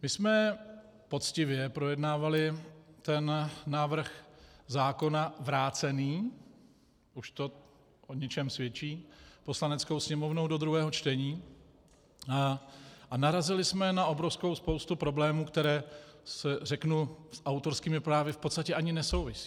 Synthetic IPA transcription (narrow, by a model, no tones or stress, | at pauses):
mɪsmɛ | po̞t̪t͡scɪvjɛpɾo̞jɛdnaːvalɪt̪ɛnnaːvɾr̩xzaːko̞navɾaːt͡sɛniː | ʔuʃt̪o̞ | ʔoɲɛt͡ʃɛmsvjɛt͡ʃiːpo̞slanɛt͡skowsɲɛmo̞vnowdo̞d̪ɾuɦɛːɦot͡ʃt̪ɛɲiː | ʔanaɾazɪlɪsmɛnaʔo̞bɾo̞fsko̞wspo̞wst̪upɾo̞blɛːmuːkt̪ɛɾɛːsɛrɛknusʔawt̪o̞ɾskiːmɪpɾaːvɪfpot̪st̪acɛʔaɲɪnɛso̞wvɪsi̥ː